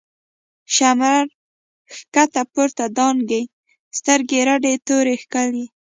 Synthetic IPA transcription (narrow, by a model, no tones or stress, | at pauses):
ʃamɾaɾ | xkat̪apuɾt̪ad̪ɑnɡij | st̪əɾɡeɾaɖet̪oɾexkali